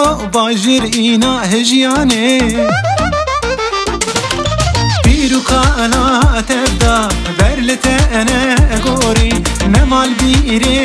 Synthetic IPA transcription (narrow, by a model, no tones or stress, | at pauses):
bɑːʒeːɾiːnɑːɦeʒijɑːneː | piːɾuːkʰɑːʔɛlɑːt̪ʰɛvd̪ɑː | bɛɾlɨt̪ʰɛːnɛɡoːɾiːmɛmɑːlbiːiɾeː